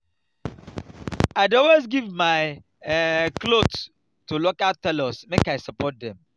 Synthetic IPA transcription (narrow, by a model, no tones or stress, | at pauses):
aɪdɔlwezɡivmaɪ | klods | tʰulɔkatɛlɔsmekaɪsəpɔt̚ðɛ̃m